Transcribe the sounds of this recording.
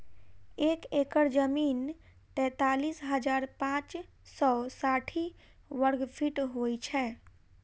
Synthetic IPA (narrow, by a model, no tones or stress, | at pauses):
ekekəɾd͡ʒəmiːn | ʈɛ̃t̪aːlisɦəd͡ʒaːɾpãːt͡ʃ | sɔsaʈʰi | ʋəɾɡpʰiʈɦojt͡ʃʰɛ